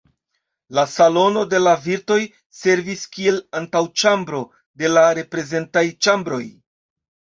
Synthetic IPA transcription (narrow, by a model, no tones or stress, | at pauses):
lasalo̞no̞de̞laviɾto̞j | se̞ɾviskie̞lantawt͡ʃambɾo̞ | de̞laɾe̞pɾe̞ze̞ntajt͡ʃambɾo̞j